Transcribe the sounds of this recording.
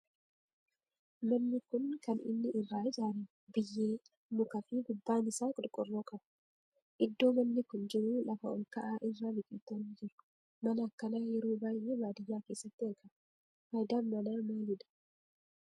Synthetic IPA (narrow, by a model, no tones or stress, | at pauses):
mɐnːɪkʊnkɐnɪ̰nːɪʔɪrːaːɪd͡ʒaːɾi | bɪjːeː | mʊkɐfiɡʊbːaːnɪsaːkʼʊɾkʼɔrːoːkʼɐbɐ | ʔɪd̪ːo̞ːmɐnːɪkʊnd͡ʒɪɾʊːlɐfɐɔ̰lkɐʔaːʔɪrːaːbɪkʼɪːt̪ːɐniːd͡ʒɪɾʊ̥ | mɐnɐːkːɐnaːjɛɾoːbaːjemaːd̪ɪjːaːke̞ːsːɐt̪ːɪɐkɐ | hajd̪aːnmɐnaːmaːlɪd̪ɐ̥